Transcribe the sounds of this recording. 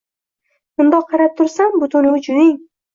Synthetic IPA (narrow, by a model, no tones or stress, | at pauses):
ʊnd̪ɒqʰɑɾap̚t̪ʰʊɾsambʊt̪ʰʊnʊd͡ʒʊnɪŋ